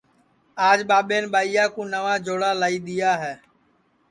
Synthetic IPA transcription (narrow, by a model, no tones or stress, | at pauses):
aːd͡ʒɓaːɓeːnɓaːijaːkũːnəʋaːd͡ʒʱoːɽaːlaːiːɗ̪ɪjaːɦɛː